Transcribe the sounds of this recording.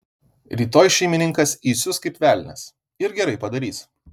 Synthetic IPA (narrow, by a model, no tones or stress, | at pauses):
ɾʲiːt̪oːjʃʲɛɪmʲɪnʲɪŋkɐsiːsʲʊskɐɪpʲʋʲæːˑlʲnʲɛ̰s | ɪɾɡʲɛɾɐɪpɐd̪ɐɾʲiːs